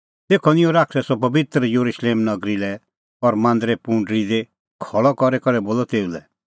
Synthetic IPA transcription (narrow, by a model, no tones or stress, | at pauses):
t̪eːkʰɔnɪ̃jɔ̃ɾaːkʰsɛsɔp̬ɐbɪt̪ɾjoɾuʃleːmnɐɡɾilɛ | ɔɾmãːnd̪ɾɛpũɳɖɾid̪e | kʰɔɭɔkɔɾɛkɔɾɛboːlɔt̪eːulɛ